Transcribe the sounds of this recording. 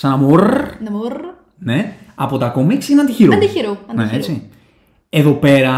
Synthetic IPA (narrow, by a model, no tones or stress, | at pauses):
sɐnɐmor | ne̞ɐpo̞t̪ɐko̞miksineɐnd̪içiɾod̪içiɾonneet͡si | e̞ðo̞pe̞ɾɐ